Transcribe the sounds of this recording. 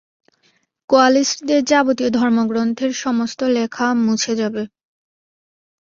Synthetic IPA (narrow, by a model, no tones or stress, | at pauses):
koalisʈd̪eɾd͡ʑabot̪iod̪ʱɔɾmoɡɾont̪ʰeɾʃɔmost̪olekʰamut͡ɕʰed͡ʑabe